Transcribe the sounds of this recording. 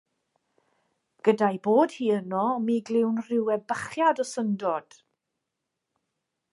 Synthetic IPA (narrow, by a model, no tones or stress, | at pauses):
ɡ̥ədajboːd̥hiːənɔmiːɡlˠɪwnrɪwɛbəχjadɔsəndɔd̥